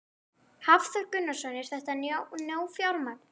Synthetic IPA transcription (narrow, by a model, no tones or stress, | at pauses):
havðœɾkʏnːasɔnːɪɾ̥θɛht̪annjoːwfjawɾman